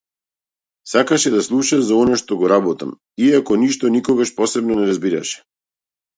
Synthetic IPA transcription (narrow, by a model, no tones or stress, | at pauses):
sakaʃɛd̪aslˠuʃazaɔnaʃt̪ɔɡɔɾabɔt̪a̰m | iakɔniʃt̪ɔnikɔɡaʃpɔsɛbnɔnɛɾazbiɾa̰ʃɛ̥